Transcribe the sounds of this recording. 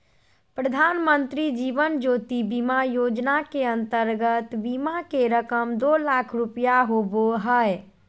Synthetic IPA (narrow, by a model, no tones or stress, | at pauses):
pɾəd̪ʱanmənt̪ɾid͡ʒiʋənd͡ʒot̪ibimajod͡ʒnakeənt̪əɾɡət̪bimakeɾəkəmd̪olakʰɾupjaɦoboɦəj